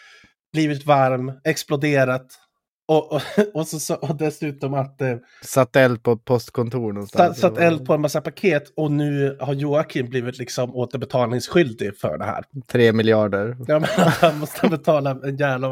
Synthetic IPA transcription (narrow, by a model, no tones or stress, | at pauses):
b̥liːvɪt̪vaɾmɛksplʊd̪eːɾat̪ | ɔʔɔsɔsɔʔɔd̪ɛsʉ̟ːt̪ɔmat̪ː | sat̪ːɛld̪̚pʰɔt̪̚pʰɔst̪kʰɔnt̪ʰuːɳɔsasat̪ːɛld̪̚pʰɔɛnmasːapʰakʰeːt̪ɔnʉ̟ːhaɾjuːakʰɪmbliːvɪt̪lɪksɔmoːt̪əɾbɛt̪ʰɑːlnɪŋsɧʏld̪ɪfœ̰ɖɛ̰hæ̰ːɾt̪ʰɾeːmɪljɑːɖəɾjɑːmɛnat̪hanmɔst̪əbɛt̪ʰɑːlaɛnjæːvla